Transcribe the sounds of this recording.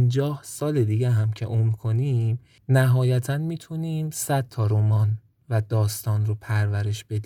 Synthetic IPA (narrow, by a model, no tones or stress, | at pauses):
nd͡ʒɒːhsɒːle̞d̪iːɟeɦæmcʰe̞̰ʔomɾkʰo̞niːm | næɦɒːjæt̪ʰænmiːt̪ʰuniːmsæd̪̥̚t̪ʰɒːɾomɒːn | væd̪ɒːst̪ʰɒːnropʰæɾvæɾe̞ʃb̥e̞d̪i